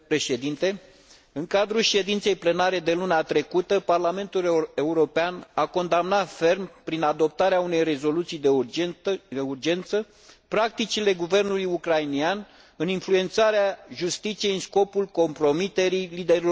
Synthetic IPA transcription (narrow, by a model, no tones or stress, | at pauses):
ɾeʃed̪int̪e̞ | ɨŋkad̪ɾulʃe̞d̪int̪sejple̞naɾe̞d̪e̞lunat̪ɾe̞kut̪əparlame̞nt̪uleuɾo̞peanako̞nd̪amnat̪fe̞rmpɾinad̪o̞p̚t̪aɾeaune̞jre̞zo̞lut̪sijd̪e | eurd͡ʒe̞nt̪sə | pɾak̚t̪it͡ʃile̞ɡuve̞rnulujukɾainian | ɨninflue̞nt̪saɾeaʒust̪it̪sijeɨnsko̞pulko̞mpɾo̞mit̪e̞ɾilid̪e̞ɾil